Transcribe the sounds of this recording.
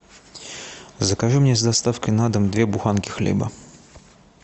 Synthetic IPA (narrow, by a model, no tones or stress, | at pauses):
zəkaʐɨmnʲezd̪ast̪afkəjnad̪əmd̪vʲebʊxankʲɪxlʲḛbə̰